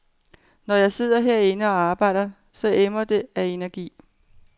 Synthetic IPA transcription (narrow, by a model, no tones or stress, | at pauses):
nɒjɑ̈ɪse̝ð̞̰ˠɐɦɛɐ̰enəɒ̽ɑ̈ːb̥ɑ̈ɪ̰ɾ̥ɐ | sɒ̽ʔemɐd̥e̝æe̝næɐɡ̥ḭː